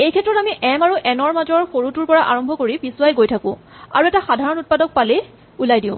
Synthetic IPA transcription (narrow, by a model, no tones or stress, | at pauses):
ejkʰɛtɹɔtamiʔɛmaɹuʔɛnɔɹmazɔɹxoɹutuɹpɔɹaʔaɹɔmbʱɔkoɹibisuwajɡojtʰakʊ̰̃ | a̰ɹuɛtaxadʱaɹɔnut̚padɔk̚pale | ulajdĩʊ̃